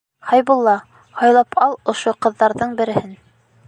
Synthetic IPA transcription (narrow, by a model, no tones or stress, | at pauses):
hɑjbulˠːɑ | hɑjlˠɑpʰɑlˠŏʃoqɤ̆ðːɑɾðɤɴbɘ̆ɾɘ̆hɘn